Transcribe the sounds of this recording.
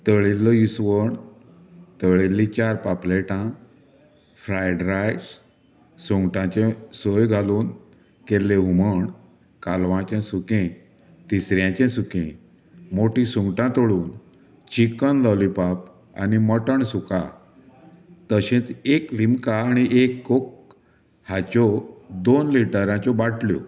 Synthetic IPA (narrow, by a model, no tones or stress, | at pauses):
t̪əɭilːɔisʋəɳ | t̪əɭilːĩt͡ɕaɾpapleʈã | fɾajɖɾajs | suŋɡʈãt͡ɕẽsojɡʱaluːn | kelːẽuməɳ | kalʋãt͡ɕɛ̃sukẽ | t̪isɾjãt͡ɕɛ̃sukẽ | moʈĩsũŋɡʈãt̪oɭuːn | t͡ɕikənlalipap | a̰niməʈəɳsuka̰ | t̪əɕẽt͡seklimkaːɽ̃iʔekːok | hat͡ɕɔd̪onliʈəɾãt͡ɕɔbaʈʰljɔ̰